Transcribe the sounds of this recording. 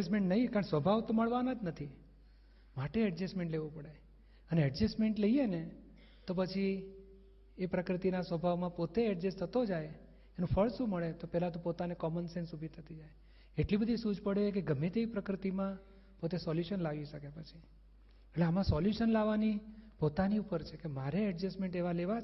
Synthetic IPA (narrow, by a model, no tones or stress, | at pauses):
əsmẽɳʈnəɦikaɾə̃ɳsʋəbʱaʋt̪oməɭʋanad͡ʒnət̪ʰi | maʈeɛɖd͡ʒəsmẽɳʈleʋũpəɽe | əneɛɖd͡ʒəsmeɳʈləijene | t̪op̬ət͡ʃʰi | epɾəkɾɪt̪inasʋəbʱaʋmãpot̪eɛɖd͡ʒəst̪ʰət̪od͡ʒaj | enũfʰəɭsũməɭet̪opɛɦlat̪̬õpot̪anekɔmənsensubʱit̪ʰət̪id͡ʒaj | eʈlibəd̪ʱisud͡ʒʱpəɽekeɡəmːet̪eipɾəkɾɪt̪imã | pot̪esɔljuʃənlaʋiʃəkepət͡ʃʰi | eʈleamãsɔljuʃənlaʋanipot̪aniupəɾt͡ʃʰekemaɾeɛʈd͡ʒəsmẽɳʈeʋaleʋa